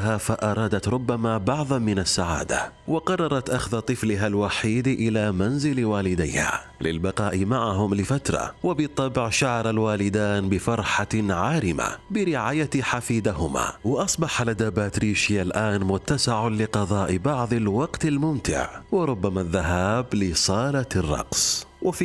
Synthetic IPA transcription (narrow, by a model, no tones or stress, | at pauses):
aːfaʔɑɾˤɑːd̪at̪ɾˤʊbːamabɑʕðˤmːɪnasːaʕa̰ːd̪a̰ | wɑqɑrˤːɑɾˤɑt̪ʔaxðat̪ˤɨflɪɦalwaħiːd̪ʔɪlaːmanzɪlwaːlɪd̪ajha̰ː | lɪ̰lbɑqɑːʔɪmaʕaɦʊmlɪfat̪ɾˤɑ̰wabɨt̪ˤːɑbʕʃaʕɑɾˤalwaːlɪd̪aːnbɪfɑɾˤħaʕaːɾɪma̰bɪɾɪʕaːjaħafiːd̪aɦʊma̰wɪʔɑsˤbɑħalad̪aːbaːt̪ɾiːʃɪjalʔaːnmʊt̪ːasɪʕalɪqɑðˤɑːʔbɑʕðˤalwɑqt̪almʊmt̪ɪ̰ʕwɪɾˤʊbːamaðːaɦaːblɪsˤɑːlarˤːɑ̰qsˤwʔaf